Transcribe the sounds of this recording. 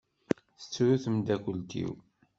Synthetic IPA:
θə̥t͡sːɾuθəmd̪ækʷəlt̪ḭw

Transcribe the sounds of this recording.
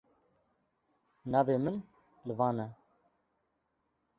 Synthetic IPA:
naːveːmɨn | lɨvɑːnɛ

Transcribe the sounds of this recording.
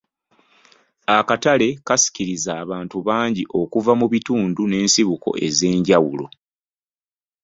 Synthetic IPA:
akatale̞kasi̥ciɾizaːβaːntuβaːɲɟiʔo̞kuvamuβituːndune̞ːnsiβuko̞̰ʔe̞ze̞ːɲɟawulo̞̰

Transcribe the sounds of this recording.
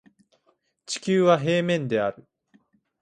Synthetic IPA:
t͡ɕi̥kʲɨːβaɦe̞ːmẽ̞nd̪e̞aɾɯ̟

